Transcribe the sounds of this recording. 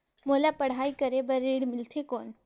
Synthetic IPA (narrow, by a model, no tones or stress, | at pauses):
moːlapɐɽ̤aːikəɾebɐɾeːɽmɪlt̪ʰekɔːn